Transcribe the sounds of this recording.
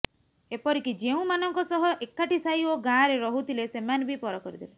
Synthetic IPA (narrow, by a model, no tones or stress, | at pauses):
epɔɾikid͡ʒeũmanɔŋkɔsɔɦɔʔekːaʈisajoɡãɾeɾɔɦut̪ʰilesemanbʱipɔɾɔkɔɾid̪ʰile